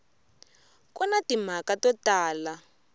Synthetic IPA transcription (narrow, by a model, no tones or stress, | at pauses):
kunatim̤akatɔtaːla